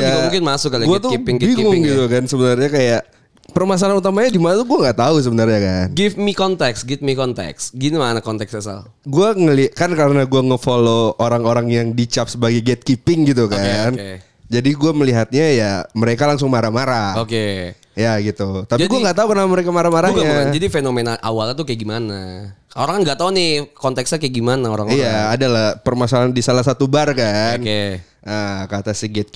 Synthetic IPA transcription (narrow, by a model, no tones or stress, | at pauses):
jamuŋkɪnmasʊkalɡuat̪uipɪŋbiŋʊŋɡit̪ukansəbənarɲakajaʔ | pərmas̬alanut̪amaɲadimanat̪uɡuaŋɡaʔt̪aus̬əbənarɲakanɡɪfmikɔnt̪ɛksɡɪt̪̚mikɔnt̪ɛ̰ksɡinimanakɔnt̪ɛksasa̰l | ɡuaŋəlikankaɾənaɡuaŋəfolooɾaŋoɾaŋjaŋdit͡ʃap̚səbaɡajɡɛt̪̚kipɪŋɡit̪̬ukan | d͡ʒadiɡuaməliɦat̪̚ɲajaməɾekalaŋs̬ʊŋmaɾamaɾaoke | jaɡit̪ut̪apiɡuaŋɡat̪aukənaaməɾekamaɾamaɾaɡɲad͡ʒadifenomɛnaʔa̰walɲat̪ukjɡimanaoɾaŋkanɡaʔt̪aunɪkɔnt̪ɛksɲakajaɡimanaoɾa̰ŋijaːdalahpərmasalandisalahsat̪ubarkane | əkat̪asiɡɛt̪̚